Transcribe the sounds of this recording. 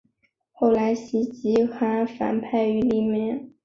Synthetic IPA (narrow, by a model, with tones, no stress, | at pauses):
xo˥˩ʊla˧˥ɪɕi˧˥t͡ɕi˧˥xa˧˥fa̰˨˩npʰa˥˩ɪy˧˥li˥˩mɛ˥˩n